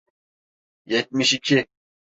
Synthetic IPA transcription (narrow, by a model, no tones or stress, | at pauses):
jɛt̪̚miʃikʲʰi